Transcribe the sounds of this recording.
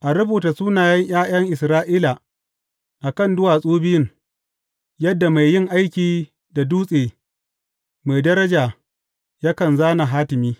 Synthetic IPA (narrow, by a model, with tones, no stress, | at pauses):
ʔa˨ɾʊ˦buː˨ta˨suː˦naː˨jɐ˦ɲj̰aː˦j̰ɐ˦ŋʔɪ˨sɾaː˦ʔiː˦la˨ | ʔa˨kɐ˦˨ndʊ˦waː˨sʼoː˦bɪ˦jɪ˦ŋ | jɐ˦dːa˨ma˨jjɪ˦ŋʔa˦jkʲiː˨ | da˨duː˦sʼeː˨ | ma˨jdɐ˦ɾɐ˦d͡ʒaː˨ | ja˦kɐ˨nzaː˦na˨ɦaː˦tɪ˨miː˦